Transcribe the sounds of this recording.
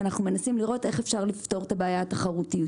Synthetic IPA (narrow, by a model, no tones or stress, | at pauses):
anaχnume̞nasimliʁo̞te̞χefʃaʁlift̪o̞ʁet̪abeːjaat̪aχaʁut̪iu